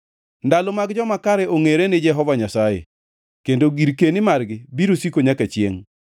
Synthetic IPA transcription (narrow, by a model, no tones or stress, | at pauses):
ndalomaɡd͡ʒɔmakaɾɛʔoŋeɾenɪd͡ʒɛɦɔvaɲasajḛ | kendoɡiɾkenɪmarɡɪbiɾosikoɲakat͡ʃjḛŋ